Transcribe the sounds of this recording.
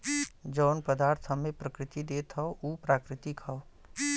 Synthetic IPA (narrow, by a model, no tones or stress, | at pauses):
d͡ʒɔːnpəd̪aːɾt̪ʰəmẽpɾəkɾɪt̪id̪eːt̪ʰɔouːpɾaːkɾɪt̪ikʰɐo